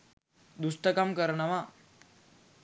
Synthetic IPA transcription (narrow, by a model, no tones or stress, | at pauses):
d̪ust̪əkamkəɾɳaʋa